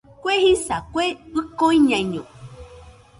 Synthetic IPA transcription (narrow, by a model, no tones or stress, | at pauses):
kʷehisakʷeɨkoĩɲãĩɲõ